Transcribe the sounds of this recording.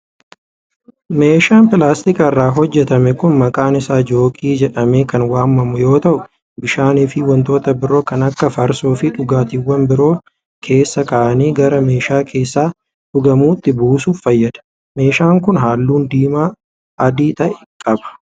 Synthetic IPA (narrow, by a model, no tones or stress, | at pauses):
me̞ːʃaːnpɪlaːst̪ɪkɐɪrːaːɦɔd͡ʒːɛt̪ɐmɛkʊnmɐkʼaːnɪsaːd͡ʒo̞ːkʼiːd͡ʒɛᶑɐmeːkɐnwaːmːɐmʊjo̞ːt̪ɐʔʊ | bɪʃaːniːfɪwɐnt̪o̞ːt̪ɐbɪɾo̞ːkɐnɐkːɐfɐɾsoːfɪᶑʊɡaːt̪iwːɐnbɪɾo̞ː | kʰe̞ːsːɐkaːʔɐniːɡɐɾɐme̞ːʃaːkʰe̞ːsːaː | ᶑʊɡɐmuːɪt̪ːɪbuːsuːffɐjːɐd̪̥ɐ̥ | me̞ːʃaːŋkʊnɦaːlːuːnd̪iːmaː | ɐd̪iːt̪ɐʔɛ̥kʼɐbɐ̥